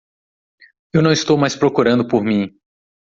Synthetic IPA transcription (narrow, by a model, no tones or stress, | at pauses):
ewnɐ̃w̃ist̪owmajspɾokuɾɐ̃nd̪ʊpoɾmĩ